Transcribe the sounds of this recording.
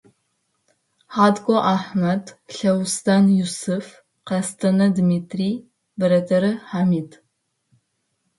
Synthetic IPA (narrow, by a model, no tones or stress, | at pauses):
ħaːdɡʷʼoʔaħmɐdɬɐwstʰaːnjusɨf | qɐstʰɐnɐdmiːtʰriː | bɨɾɐtʰɐɾɨħaːmiːd